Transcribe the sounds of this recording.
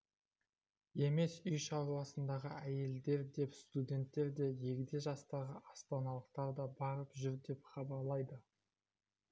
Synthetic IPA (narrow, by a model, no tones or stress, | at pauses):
e̞me̞sʏjʃɑɾlˠɑsənd̪ɑʁəæje̞ld̪e̞ɾd̪e̞pst̪ud̪ʲe̞nt̪ːe̞ɾd̪e̞ʒe̞kʲɪd̪e̞ʒɑst̪ɑʁəʔɑst̪ɑnɑlˠəq̚t̪ɑɾd̪ɑbɑɾəpʒʏɾd̪e̞pχɑbɑɾlˠɑjd̪ə